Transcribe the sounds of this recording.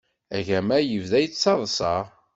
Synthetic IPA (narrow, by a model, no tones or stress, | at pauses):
æʝæmæjəvðæjt͡sːɑðˤsˤɑ